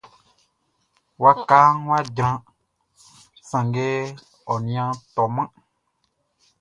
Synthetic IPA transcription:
wa˦ka˦n˦wa˦d͡ʒɾã˧ | sã˨ŋɡe˦ | ɔ˨nĩ˨˦ã˦t̪ɔ˨mã˦

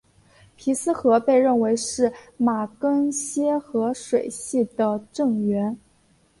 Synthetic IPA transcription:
pʰi˧˥sɹ̩˥xɤ˧˥pe˥˧ɪɻə˥˩nwe˧˥ɪʂɻ̩˥˩ma˨˩kə˥ŋɕjɛ˥xɤ˧˥ʂwe˨˩ɪɕi˥˩d̪ə˩ʈ͡ʂɤ˥˩ŋɥɛ˧˥n

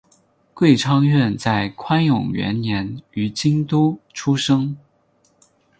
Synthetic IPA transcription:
kwe˥˩ɪʈ͡ʂʰɑ˥ŋɥɛ˥˧nt͡sa˥˩ɪkʰwa˥njʊ̰˨˩ŋɥɛ̰˧˥nnjɛ˧˥ny˧˥t͡ɕi˥ŋt̪u˥ʈ͡ʂʰu˥ʂɤ˥ŋ

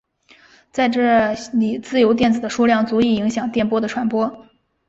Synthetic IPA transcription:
t͡sa˥˧ɪʈ͡ʂɤ˥˩li˨˩t͡sɹ̩˥˩jo˧˥ʊt̪̬jɛ˥˩nt͡sɹ̩˨˩d̪ə˦ʂu˥ljɑ˥˩ŋt͡su˧˥i˨˩i˧˥ŋɕjɑ˨˩ŋt̪jɛ˥˩npwɔ˥d̪ə˨ʈ͡ʂʰwa˧˥npwɔ˥

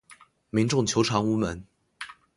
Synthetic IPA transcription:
mi˧˥ŋʈ͡ʂʊ˥˩ŋt͡ɕʰjo˧˥ʊʈ͡ʂʰɑ˧˥ŋu˥mə˧˥˦n

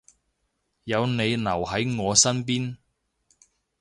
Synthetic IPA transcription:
jɐ˨˧wne˨˧jnɐ˨˩whɐ˨˥jŋɔː˨˧sɐ˥np̬iː˥n

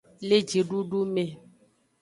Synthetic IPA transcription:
le˦d͡ʒi˨ɖu˦ɖu˦mẽ˨

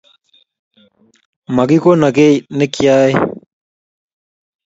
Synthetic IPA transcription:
mɐ˨ɡiko˦nɐ˨ɡe˦ne˦kjaː˦e

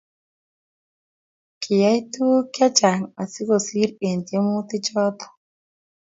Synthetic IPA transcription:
kʰɪ˨ja˦jt̪u˦kja˦t͡ʃa˨ŋa˨si˦ko˨si˦ɾe˨ntje˦mu˦t̪ɪ˦t͡ʃɔ˦t̪ɔ̥˨

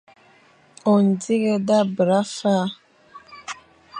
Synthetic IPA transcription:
o˨n˨di˦ɣɛ˦da˦bɾa˦fa˦

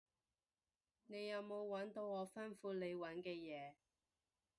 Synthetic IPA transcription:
ne˨˧jːɐ˨˧wmo˨˧wwɐ˨˥nt̪o˧wɔː˨˧fɐ˥nfuː˧le˨˧jwɐ˨˥nkɛː˧jɛː˨˧

